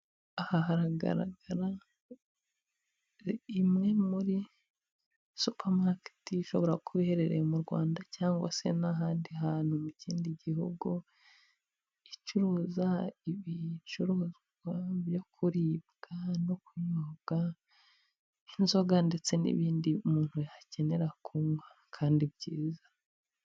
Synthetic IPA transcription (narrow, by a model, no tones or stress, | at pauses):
ahaɦaɾaɡa̰ɾa̰ɡaɾa | imŋe̞muɾi | supʰaɾmake̥tiʃo̞βo̞ɾakʰuβihe̞ɾe̞ɾemuɾɡwa̰ːndacaːŋɡwa̰se̞naɦaːndiɦaːn̥humuciːndiɟihuɡu | it͡ʃuɾuːzaiβit͡ʃuɾuːzɡwaβjo̞kʰuɾiːbɡ̥anokuɲobɡ̥a | inzo̞ɡande̞t͡se̞nḭβiːndiumuːn̥huace̞ne̞ɾakʰuŋɡwa | kʰaːndibɟiːza